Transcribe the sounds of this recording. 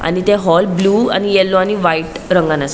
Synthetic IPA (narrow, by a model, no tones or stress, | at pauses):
a̰nit̪ẽɦɔlbluːa̰nijɛlːoañiʋaiʈ | ɾəŋɡanas